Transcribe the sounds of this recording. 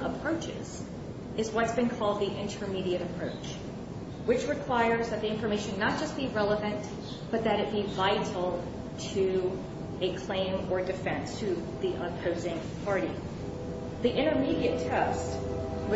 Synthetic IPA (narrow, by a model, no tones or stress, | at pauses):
əpʰɹ̥oʊt͡ʃɪ̰z̥ | ɨzwʌtsb̥ɨ̃nkʰɔlˠd̪̚ðiʔɪ̃ntʰə˞miɾiɨɾɨpʰɹ̥oʊt͡ʃ | wɨt͡ʃɹɨkʰw̥aɪə˞zðɨt̪̚ðiɪ̃ɱfə˞meɪʃɨ̃nːət̚d̥ʒ̥ʌst̚b̥iɹɛlˠəvɨ̃n | b̥ʌt̪̚ðɨɾɨt̚b̥ivaɪɾl̩ˠ | tʰɨ | ɨkʰl̥ẽɪ̃mə˞dɨfɛ̃nstʰɨðiʔəpʰoʊzɪ̃ŋ | pʰɑɹɾḭ | ðiʔɪ̃ɾ̃ə˞miɾiɨtʰɛst